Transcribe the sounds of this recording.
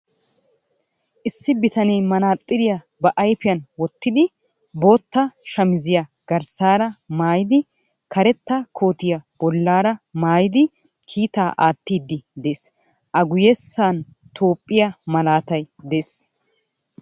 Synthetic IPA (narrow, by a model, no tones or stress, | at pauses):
ʔɪsːɪbɪt̪ɐnɛjmɐnaːt̪ʼːɪd̪ɪja | bɐʔɐjpɪjɐnwɔt̪ːɪd̪ɪ | bo̞ːt̪ːɐʃɐmɪzɪjɐ | ɡ̥ɐɾsaːɾɐmaːjɪd̪ɪ | kʰɐɾɛt̪ːɐkʰo̞ːt̪ɪjɐbɔlːaːɾɐmaːjɪd̪ɪ | kʰiːt̪aːʔaːt̪ːiːd̪ːɪd̪e̞ːs | ʔɐɡʊjɛsːaːn | t̪ʰo̞ːpʼːɪjɐmɐlaːt̪ɐj | d̪eːs